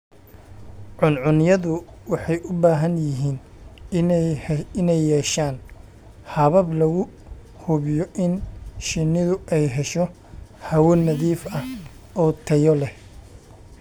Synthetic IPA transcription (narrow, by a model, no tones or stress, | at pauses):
ʕʊnʕʊnjɐðʊwɑħɑjʔʊbaːɦɐnjɪɦiːn | ɪnɛjːɛːʃaːn | hɐβɐblɐɣʊ | hʊβɪjɔʔɪnʃɪnɪðʊʔɛjɦɛʃɔ | hɐwɔnɐðiːfɐh | ɔːt̪ʰɐjɔlɛh